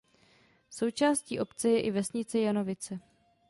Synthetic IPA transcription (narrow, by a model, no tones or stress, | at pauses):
so̞wt͡ʃaːsciːʔo̞pt͡sɛjɛʔɪvɛsɲɪt͡sɛjano̞vɪt͡sɛ